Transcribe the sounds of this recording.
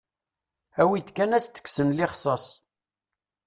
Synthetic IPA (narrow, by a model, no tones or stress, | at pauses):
æwit̪kːænæst̪ːə̥kːsənlɪχsˤɑsˤ